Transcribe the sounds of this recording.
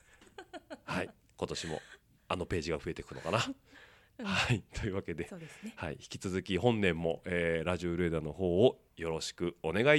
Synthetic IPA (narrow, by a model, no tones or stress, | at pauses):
hai | ko̞t̪o̞ɕimo̞̰ | ano̞pe̞ːʑiɡaɸɯ̟e̞t̪e̞kɯ̟no̞̰kana | hait̪ʰo̞iɯ̟βake̞d̪e̞eshaḭçi̥kʲi̥t͡sɨzɨkʲihõ̞nːẽ̞mːo̞ʔeːɾaʑioɾed̪ano̞ɦo̞ː | jo̞ɾo̞ɕi̥kɯ̟o̞ne̞ɡai